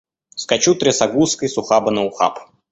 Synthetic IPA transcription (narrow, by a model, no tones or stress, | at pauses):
skɐt͡ɕut̪ɾʲɪsɐɡuskəjsʊxabənəʊxa̰p